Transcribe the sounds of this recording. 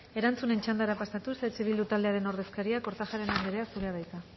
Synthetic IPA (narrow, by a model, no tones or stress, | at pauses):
e̞ɾant͡sune̞nt͡ʃand̪aɾapast̪at̪uset͡seβilut̪ald̪e̞aɾe̞no̞ɾð̞e̞skaɾiako̞ɾt̪aʝaɾe̞nand̪eɾeasuɾeað̞ajt̪a